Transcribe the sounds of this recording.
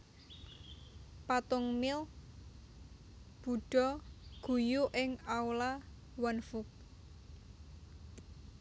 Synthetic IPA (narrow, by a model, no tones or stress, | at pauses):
pat̪ʊŋmɪl | b̥ṳɖ̥ɔ̤ɡ̥ujuʔɪŋaula | wɔnfʊk̚